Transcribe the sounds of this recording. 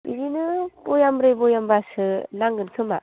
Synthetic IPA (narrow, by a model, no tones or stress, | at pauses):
bizinɯbojamɾɯjbɔjambasɯnaŋɡɯnkʰɯma